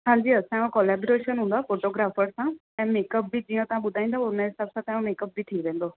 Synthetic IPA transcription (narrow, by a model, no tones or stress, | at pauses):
ɦãːɲd͡ʒiːəsãːɛ̃ũːkolɛːboːɾeːʃənɦʊ̃nd̪aːpʰoːʈoːɡɾaːpʰəɾsãː | ɛ̃ːmeːkəp̚biːd͡ʒijãːt̪ãːbʊd̪ʱaːĩnd̪aːnãɦɪsaːbsãːt̪ɛ̃ːũmeːkəp̚biːʈʰiːkʋẽːnd̪oː